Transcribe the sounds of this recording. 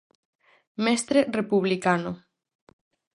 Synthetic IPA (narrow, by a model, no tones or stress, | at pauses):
mest̪ɾerepuβlikano